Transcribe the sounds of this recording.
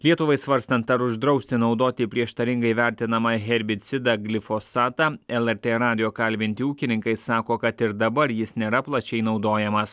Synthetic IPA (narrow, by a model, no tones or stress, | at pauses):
lʲiɛt̪ʊʋɐɪsʋɐɾst̪ɐnt̪ɐɾʊʒd̪ɾɒʊsʲt̪ʲɪnɒʊd̪oːt̪ʲɪpʲɾʲiɛʃt̪ɐɾʲɪŋɡɐɪʋʲæˑɾʲt̪ʲɪnɐmɐɦʲɛɾʲbʲɪt̪sʲɪd̪ɑɡlʲɪfosɑːt̪ɑɛlˠɛɾʲt̪ʲeːɾɑːd̪ʲɪjoːkɐlʲbʲɪnʲt̪ʲɪuːkʲɪnʲɪŋkɐɪsɑːkoːkɐt̪ɪɾd̪ɐbɐɾjɪsnʲeːɾɐplˠɐt͡ʃʲɛɪnɒʊd̪oːjɛmɐs